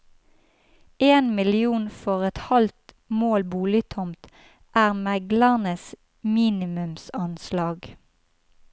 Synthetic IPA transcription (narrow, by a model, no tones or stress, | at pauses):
eːnmɪlɪuːnfɔʁɛt̪hɑlt̪ | moːlbuːlɪt̪ʰɔmt̪ | ʔæːʁmæɡlæʁnəs | miːnɪmʉmsɑnslɑːɡ